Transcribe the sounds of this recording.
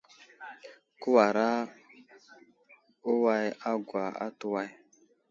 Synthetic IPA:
ku˦wa˨ɾa˦ | u˦wa˦ja˦ɡʷa˨a̰˦tu˦wa˦j

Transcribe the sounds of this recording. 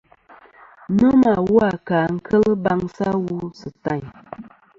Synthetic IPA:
nə˦ma˨wu˦a˨kaː˨ŋ̩˦kʰə˦lə˦ba˦ŋsa˦wu˦sɨ˨ta˦˨ɲ

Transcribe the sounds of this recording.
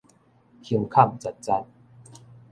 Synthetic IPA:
hə˧ŋkʰa˥˨mt͡sa˨˩t̚t͡sa˧n

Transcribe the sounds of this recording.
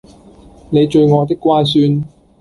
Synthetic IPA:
ne˨˧jt͡ʃɵ˧ɥŋɔː˨˧t̪ɪ˥kːʷwaː˥ns̬yː˧n

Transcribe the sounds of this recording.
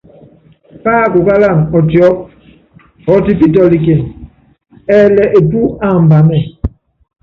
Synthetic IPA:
paː˦˨ko˨ka˦la˦˨ŋɔ˨tjɔ˦p̚ | ɔ˨˦ti˦p̬i˦t̬ɔ˨li˨k̬e˨n | ɛː˦˨lɛ˨ʔe˨pu˦a˦˨m̩˨ba˨mɛ˦˨

